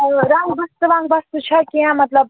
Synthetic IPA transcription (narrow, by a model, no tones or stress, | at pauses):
ɾaːɦubɐst̪ɨʋãːŋɡbɐst̪ut͡ʃʰɐkʲijãːmɐt̪lɐb̚